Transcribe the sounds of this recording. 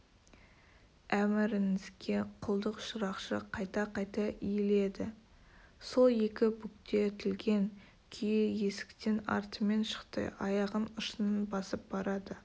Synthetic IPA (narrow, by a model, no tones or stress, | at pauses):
æmɪɾɪŋɪzɡʲe̞qʰʊlˠd̪əqʃʊɾɑqʃəqʰɑjt̪ɑqʰɑjt̪ɑʔijle̞d̪ɪ | so̞lˠje̞kʲɪbʊk̚t̪e̞t̪ʰɪlɡʲe̞ŋ | kʲʰejɪje̞sɪ̥kt̪e̞nɑ̰ɾt̪əme̞nʃə̥qt̪ə̰ʔɑjɑʁənʊʃənənbɑsəp̚bɑɾɑd̪ə